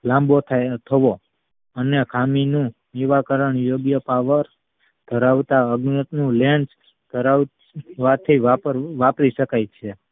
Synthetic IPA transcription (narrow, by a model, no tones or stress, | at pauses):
lãmbot̪ʰat̪ʰəʋo | ənekʰaminũ | niʋakəɾəɳjoɡjəpaʋəɾ | d̪̥ʱəɾaʋt̪aəɡnət̪nũlẽnd͡ʒ | d̪ʱəɾaʋ | ʋat̪ʰːiʋapəɾʋapɾiʃəkajt͡ʃʰe